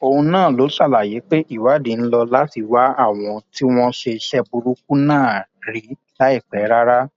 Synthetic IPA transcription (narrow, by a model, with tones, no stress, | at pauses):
o˧hũ˧nãː˦˨lo˨˦ʃa˦˨la˨je˨˦k͡pe˦ʔi˦˨wa˨˦dĩ˨n̩˦lɔ˧la˦ti˧wa˦a˦˨w̃ɔ̃˧ti˦w̃ɔ̃˦ʃe˧ʃɛ˦bu˧ɾu˦k̚u˦nãː˦˨ɾi˨˦ | la˦i˦˨k͡pɛ˨˦ɾa˦ɾa˦